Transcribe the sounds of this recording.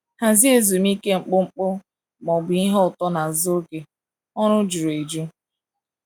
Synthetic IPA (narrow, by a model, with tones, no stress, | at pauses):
ha˨zi˦e˨zu˨mi˦ke˦ŋ͡m̩˨k͡pʊ˦ŋ͡m̩˦k͡pʊ˦ | ɡ͡bɔ˨ɡ͡bi˦ɦɔ˦ʊ˨tɔ˦na˨zo˦ɡe˨ | ɔ˦ɾʊ˦d͡ʒu˨ɾe˨d͡ʒu˦